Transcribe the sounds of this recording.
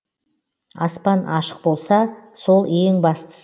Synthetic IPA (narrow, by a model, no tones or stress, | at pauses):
ɑ̰spɑnɑʃə̥q̚bo̞lˠsɑso̞lˠeŋbɑst̪ə̥